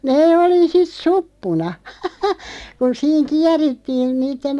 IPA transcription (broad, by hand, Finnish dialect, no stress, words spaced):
neː oli sit supːunɑ kun siːŋ kiæritːiːn niːtːen